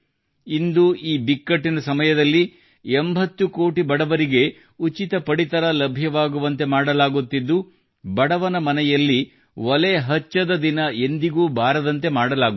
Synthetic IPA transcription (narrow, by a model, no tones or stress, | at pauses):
ind̪uiːbikːɐʈːinɐsɐmɐjɐd̪ɐlːi | embʱɐt̪ːukoːʈibɐɽɐʋɐɾiɡe̞ | ut͡ʃit̪ɐpɐɽit̪ɐɾɐlɐbʱjɐʋaːɡuʋɐnt̪e̞maːɽɐlaːɡut̪ːid̪ːu | bɐɽɐʋɐnɐmɐnɛjɐlːi | ʋɔlɛːɦɐt͡ʃːɐd̪ɐd̪inɐe̞nd̪iɡuːbʱaːɾɐd̪ɐnt̪e̞maːɽɐlaːɡu